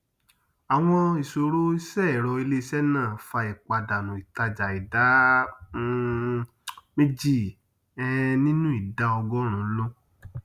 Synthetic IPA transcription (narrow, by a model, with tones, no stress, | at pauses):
a˨w̃ɔ̃˧i˨so˨ɾo˦i˦sɛ˦˨ɾɔ˧i˧le˦i˧sɛ˦nãː˦˨fa˧i˨k͡pa˧da˨nũ˨i˨ta˧d͡ʒa˨i˨da˨˦ | me˦d͡ʒi˦˨ | ɛ˦nĩ˦nũ˦i˦˨da˦ɔ˧ɡɔ˦ɾ̃ũ˨˦lo˦